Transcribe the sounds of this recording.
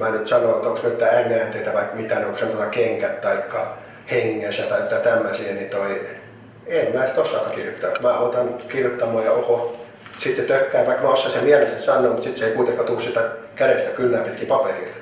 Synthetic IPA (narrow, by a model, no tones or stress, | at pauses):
mænyt̪sɑnoːt̪ːoŋksmet̪ːææimːeænt̪eit̪æʋɑikmit̪æneoŋksemt̪ot̪ːɑkeŋkæt̪t̪ɑikːɑ | heŋːesæt̪ɑit̪ːɑt̪æmːæsienit̪oi | emmæːsi̥t̪osːɑːkɑkirjot̪ːɑkmæːɑt̪ɑnkirjot̪ːɑmɑːjɑoho | sit̪set̪økːæːʋɑikmæosːɑsemiælesesɑnːoːmut̪sit̪seikuit̪eŋkɑːt̪uːssit̪æ | kæɾest̪ækylːæːpit̪kipɑperilː